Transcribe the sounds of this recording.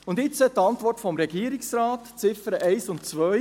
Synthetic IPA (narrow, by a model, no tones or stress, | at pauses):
ʊndɪt͡sət̪ɑntʋɔrtfɔmɾɛɡ̥iəɾiksɾaːtt͡sɪfəɾəʔɛɪsʊntt͡sʋœ